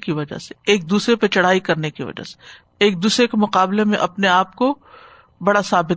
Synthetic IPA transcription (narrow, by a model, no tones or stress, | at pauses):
kiʋɐd͡ʒa̰se̥eːk̚d̪uːsɾepɐt͡ʃɐɽ̤aːikɐɾnekiʋɐ̰d͡ʒa̰ːse̥ | eːk̚d̪uːsɾekemʊqaːblemẽʔɐpneaːp̚ko | bɐɽasaːbɪt̪